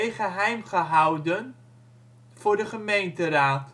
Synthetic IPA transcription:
jχəɦɛjmχəɦɑwdən | v̥ʊːɹdəχəmejntəraːt

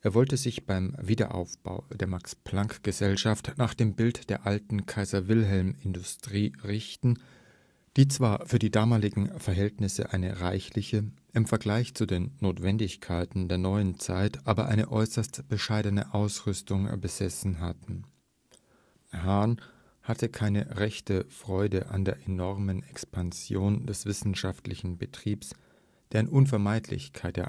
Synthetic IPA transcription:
ʔeːɐvɔltəzɪçb̥aɪmviːdɐ̰ʔa̰ʊfb̥a̰ʊd̥eːɐmakspl̥aŋkɡ̥əzɛlʃaftnaːχd̥eːmbɪltd̥eːɐʔaltn̩kʰaɪzɐvɪlɦɛlmɪndʊstʁ̥iːʁɪçtn̩ | d̥iːt͡sv̥aːɐfyːɐdiːdaːmaːlɪɡŋ̩fɛɐɦɛltnɪsə̰ʔaɪnəʁaɪçlɪçəʔɪmfɛɐɡlaɪçt͡sudeːnːoːtv̥ɛndɪçkʰaɪtn̩deːɐnɔʏənt͡saɪtʔaːbɐʔaɪnəʔɔʏsɐstb̥əʃaɪdənə̰ʔaʊsʁʏstʊŋbəzɛsn̩ɦatn̩ | han | hatʰəkʰaɪnəʁɛçtəfʁ̥ɔʏdəʔa̰ndeːɐʔenɔʁmənɛkspʰanz̥joːndɛsv̥ɪsn̩ʃaftlɪçn̩bətʁ̥iːps | d̥eːɐɪnʔʊnfɛɐmaɪtʰlɪ̰çkʰaɪtɛ̰

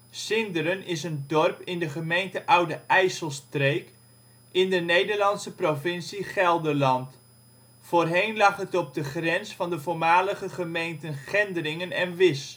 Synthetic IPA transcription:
sɪndəɾənɪsəndɔrpɪndəχəmejntəʔʌwdəɛjsəlˠstrejk | ɪndənejdəɹlɑnsəprovɪnsiχɛlˠdəɹlɑnt | foːrɦejnlɑχɦətɔb̚dəχrɛnsfɑndəvoːɹmaːləχəχəmejntənχɛndərɪŋənɛnʋɪs

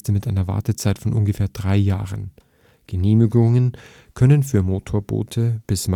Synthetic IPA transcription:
təmɪtʔaɪnɐva̰ɐtət͡saɪtfɔnʔʊnɡəfeːɐdʁaɪjaːʁən | ɡ̥əneːmɪɡʊŋən | kʰœnənfyːɐmoːtʰoːɐbo̰ːtʰəb̥ɪsm

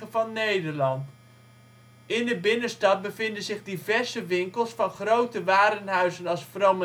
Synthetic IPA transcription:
əvɑnːejdəɹlɑnt | ɪndəbɪnəstɑt̚bəvɪndənzɪχdivɛrzəʋɪŋkəlˠsfɑnχrowtəʋaːɾənɦœɥzənɑlˠsfromə

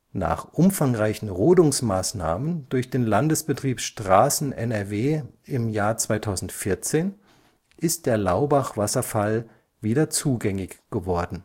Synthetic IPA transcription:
na̰ːχʔʊmfaŋʁaɪçn̩ʁoːdʊŋsmaːsna̰ːməndʊɐçd̥eːnlandəsb̥ətʁ̥iːpʃtʁ̥aːsn̩ʔɛnɛɐveːɪmjaːɐt͡sv̥aɪtʰaʊzn̩tfɪɐt͡seːn | ʔɪst̚d̥eːɐlaʊbaχv̥asɐfal | viːdɐt͡suːɡɛŋɪçɡ̥əvɔɐdn̩

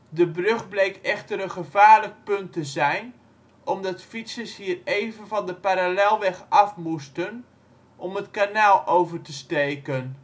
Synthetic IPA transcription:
dəbrøχblejkɛχtəɾənχəvaːɹlək̚pɵntəzɛjn | ʔɔmdɑtfitsəshiːrejvənvɑndəpaɾalɛlˠʋɛχɑfmustən | ʔɔmətkanaːlˠʔowvərtəstejkən

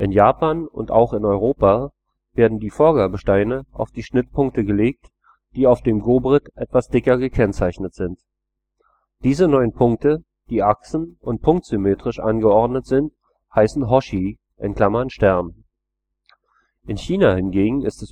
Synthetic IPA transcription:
ʔɪnjaːpaːnʊ̰nta̰ʊxɪnɔʏʁoːpa | v̥eːɐdn̩diːfoːɐɡaːbəʃtaɪnəʔa̰ʊfd̥iːʃnɪtpʰʊŋk̚təɡəleːk̚t | d̥iːaʊfd̥eːmɡoːbʁɪtʔɛtv̥asd̥ɪkɐɡəkʰɛnt͡saɪçnətz̥ɪnt | d̥iːzənɔʏənpʰʊŋk̚tə | d̥iːʔaksn̩ʊnt̚pʰʊŋk̚tz̥ymeːtʁ̥ɪʃʔa̰nɡəɔɐdnətz̥ɪnt | haɪsn̩ɦɔʃi | ʔɪnkʰl̥amɐnʃtɛɐn | ʔɪnçiːnahɪnɡeːɡŋ̩ɪstɛs

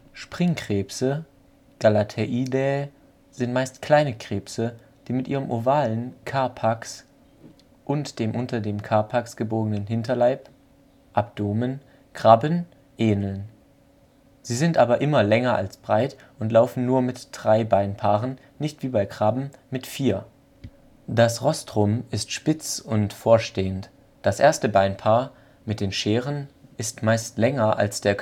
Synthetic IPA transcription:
ʃpʁ̥ɪŋkʁ̥ɛːpsə | ɡ̥alatʰɛʔidɛː | z̥ɪntmaɪstkl̥aɪnəkʁ̥eːpsə | d̥iːmɪtʔiːʁəmʔovaːlənkʰaɐpʰaks | ʔʊntd̥eːmʔʊntɐdeːmkʰaɐpʰaksɡ̥əboːɡənənɦɪntɐlaɪp | ʔap̚d̥oːmən | kʁ̥abən | ʔeːnl̩n | z̥iːzɪntʔaːbɐʔɪmɐlɛŋɐʔa̰lsb̥ʁaɪt | ʊntlaʊfn̩nuːɐmɪtd̥ʁaɪbaɪnpʰaːʁən | nɪçtv̥iːbaɪkʁ̥abm̩mɪtfiːɐ | d̥asʁɔstʁ̥ʊmɪstʃpɪt͡sʊntfoːɐʃteːən | d̥asʔeːɐstəbaɪnpʰaːɐ | mɪt̚d̥eːnʃeːʁənʔɪstmaɪstlɛŋɐʔa̰lsd̥eːɐ

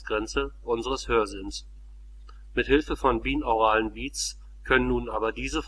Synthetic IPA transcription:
sɡ̥ʁɛnt͡səʔʊnzəʁəshøːɐzɪns | mɪthɪlfəfɔnbiːnoʁ̞aːlənbiːtt͡s | kʰœnənːuːnaːbɐdiːzəf

